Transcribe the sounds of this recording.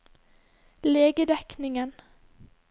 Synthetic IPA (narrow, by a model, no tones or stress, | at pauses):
leːɡəd̪ɛknɪŋən